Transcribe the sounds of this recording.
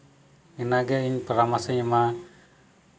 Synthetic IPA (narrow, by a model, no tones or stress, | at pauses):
ɛnaɡɛiɲpəɾamasəɲma